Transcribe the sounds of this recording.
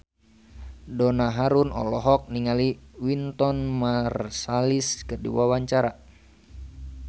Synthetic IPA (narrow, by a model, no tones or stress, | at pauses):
dɔnaɦaɾunɔ̰lɔɦɔk̚niŋaliwint̪ɔnmarsaliskərdḭwawaɲt͡ʃaɾa